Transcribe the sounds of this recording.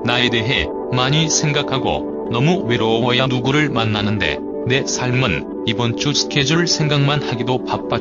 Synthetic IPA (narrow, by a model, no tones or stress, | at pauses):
nae̞de̞ɦe̞ | maɲisʰe̞ŋɡakʰaɡo̰ | nʌmuwe̞ɾowʌjanuɡuɾɯɭmanːanɯnde̞̰ | ne̞sʰaɭmɯn | ibʌnt͡ɕ͈usʰɯ̥kʰe̞d͡ʑɯɯɭsʰe̞ŋɡaŋmanhaɡidopak̚p͈a